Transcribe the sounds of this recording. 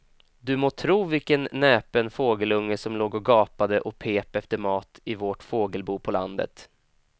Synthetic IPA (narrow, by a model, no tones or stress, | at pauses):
d̪ɵmoːt̪ʰɾuːvɪlkənːɛːpənfoːɡəlɵŋːəsɔmloːɡɔɡɑːpad̪əʔɔpʰeːpɛft̪əɾmɑːt̪ɪvoʈfoːɡəlbuːpʰɔla̰nd̪ə̰t̪